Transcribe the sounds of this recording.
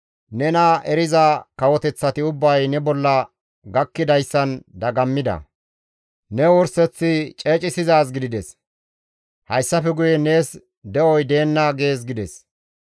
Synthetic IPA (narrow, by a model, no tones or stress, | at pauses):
nɛnɐʔɛɾɪzɐkɐwɔt̪ɛt͡sːɐt̪ɪʊbːɐjnɛbɔlːɐ | ɡɐkːɪd̪ɐjsːɐnd̪ɐɡɐmːɪd̪ɐ̰ | nɛwɔɾsɛt͡sːɪt͡ʃʼe̞ːt͡ʃʼɪsɪzaːs̬ɡɪd̪ɪd̪ɛs | hɐjsːɐfɛɡʊjɛne̞ːs | d̪ɛʔɔjd̪e̞ːnːaɡe̞ːs̬ɡɪd̪ɛs